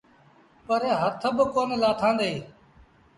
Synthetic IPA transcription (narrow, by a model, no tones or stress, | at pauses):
pəɾeːɦət̪ʰəbəkoːnlaːt̪ʰãːnd̪eː